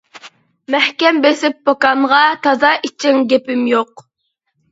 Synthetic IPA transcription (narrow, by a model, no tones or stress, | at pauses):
mæhkʲɛmbesɪp̚ːokɑɴʁɑt̪ʰɑzɑʔit͡ʃʰiŋɡʲepɪmjoq